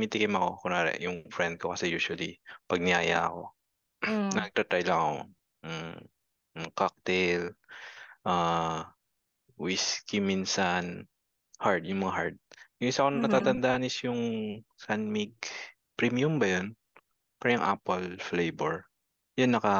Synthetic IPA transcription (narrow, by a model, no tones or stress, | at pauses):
mit̪ɪkɪmɐko̞kʊnaːɾɛ̰ʔjʊŋfɾɛnd̪̚kokɐsɛjuːʃwɐlipɐɡ̚nɪaːja̰ʔɐ̰ko̞̰ | nɐɐɡ̚t̪at̪ɾajlɐŋɐko̰ | kak̚t̪ɛl | ʔaː | wiskiminsɐn | haɹd̪jʊŋmɐŋaɦaɹd̪̚jʊʔɪsɐkonɐnɐt̪aːt̪ɐnd̪aʔnɪsjʊŋsanmiɡ̚ | pɾimijʊmbɐjon | pɐɾɐjʊŋʔa̰polflejbɛɹ | jɐnːɐkɐ